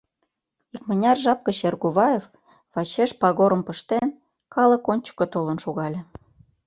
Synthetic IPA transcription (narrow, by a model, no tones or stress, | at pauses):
ik̚mə̆nʲɑrʒɑp̚kə̆ɕerɣuβɑjef | βɑt͡ɕeʃpɑɣoɾə̆mpə̆ʃt̪en | kɑlɤ̆konʲt͡ɕə̥̆kːŏt̪olə̆nʃoɣɑlʲĕ